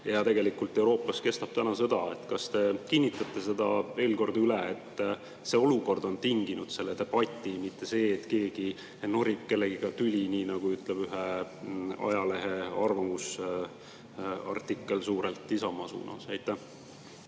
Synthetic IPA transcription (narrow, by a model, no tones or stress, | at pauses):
jɑt̪e̞ɡe̞likult̪ːˑe̞wɾo̞ːpːɑske̞st̪ɑb̥t̪ænɑsɤ̞d̪̥ɑe̞t̪kɑst̪e̞kinʲːit̪ːˑɑt̪ːˑe̞se̞d̪ɑe̞ːlko̞rd̪yleet̪ː | seo̞luko̞rd̪o̞nt̪iŋɡ̥inud̪̥se̞lːet̪e̞b̥ɑt̪ʲːˑimit̪ːe̞se̞ːt̪ke̞ːɡ̥i | no̞ɾikkːe̞lːeɡ̥iɡ̥ɑt̪ylʲiniːnɑɡ̥uyt̪ˑleb̥yɦe | ɑ̰jɑle̞ɦeɑrvɑmus | ɑ̰rt̪ːikˑːe̞lsuːɾelt̪ːisɑmɑsṵːnɑ̰sejt̪ːˑæh